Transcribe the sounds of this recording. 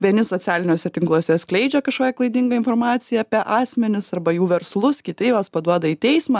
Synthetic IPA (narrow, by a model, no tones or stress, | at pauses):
ʋʲiɛnʲɪsoːtt͡s̪ʲæːlʲɪnʲoːsʲɛt̪ʲɪŋklˠoːsʲɛsklʲɛɪd͡ʒʲɛkɐʃkoːkʲɛklˠɐɪd̪ʲɪŋɡɐɪnformɑːt̪sʲɪjɛɐpʲɛʔɑːsʲmʲɛnʲɪsɐrbɐjuːʋʲɛɾslˠʊskʲɪt̪ʲɪjoːspɐd̪uɔd̪ɐiːt̪ʲɛɪsmɑː